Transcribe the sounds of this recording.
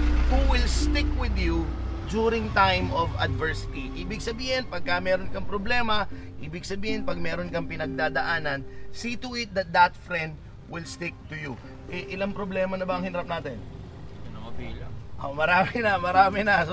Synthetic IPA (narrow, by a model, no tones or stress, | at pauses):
huwɪlst̪ɪkwɪd̪jud͡ʒuɾɪŋt̪ajmovɐ̰d̪vɛɹsɪ̥t̪iʔiːbɪɡ̚sɐbiːhɪnpɐɡ̚kɐmɛːɾonkɐŋpɾoblɛːmɐ | ʔiːbɪɡ̚sɐbiːhɪnpɐɡ̚mɛːɾonkɐŋpɪnɐɡ̚d̪aːd̪ɐʔaːnɐnsiːt̪ʊʔɪt̪̚d̪ɐt̪̚d̪ɐt̪fɾɛ̃nd̪̚ | wɪlst̪ɪk̚t̪ʊju | ʔɛʔɪlaŋpɾoblɛːmɐnɐbɐɐŋhɪnɾɐp̚naːt̪ɛn | nɐmɐbilɐ̰ʔomɐɾaːmɪnɐmɐɾaːmɪnɐs